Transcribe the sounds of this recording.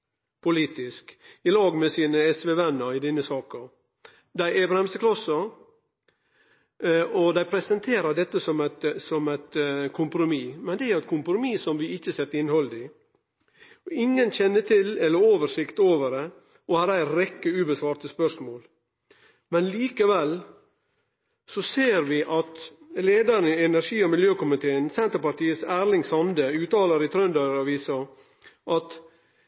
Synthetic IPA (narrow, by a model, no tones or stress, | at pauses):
pʰʊliːt̪ɪskɪlɑːɡmɛsiːnəɛsʋɛʋɛnːəɾɪd̪ɪnːəsɑːkə | d̪æɪæbɾɛmst̪əkʰlɑsə | ɔd̪æɪpʰɾɛsənt̪ʰeːɾəd̪ɛt̪ːəsɔmæt̪sɔmæɪt̪kʰʊmpɾʊmimɛnd̪ɛæɾɛt̪̚kʰʊmpɾʊmiːsɔmʋɪɪçːəseːt̪ːɪnhɔld̪ɪ | ɔɪŋːənɕɛnːət̪ʰɪlɛlːəɾoːʋəʂɪkt̪oːʋəɾɛ | ɔhɑːɾæɪɾɛkːəʉːbəsʋɑːɾt̪əspœʂmoːl | mɛnliːkəʋɛl | sɔseːɾʋɪʔɑt̪ | leːd̪əɾnɪɛnæɾʂiːɔmɪljøːkʊmɪt̪ʰeːənsɛnt̪əɾpɑʈiːəsæːɾlɪŋsɑnd̪əʉːt̪ɑːləɾɪt̪ʰɾœnd̪ɑɾɑʋiːsɑ | ʔɑt̪